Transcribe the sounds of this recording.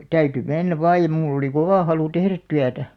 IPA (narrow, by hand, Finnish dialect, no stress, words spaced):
tæyty menːæʋ ʋɑːj̆ jɑ mulː oli koʋɑˑ hɑlu tehræt tyætæ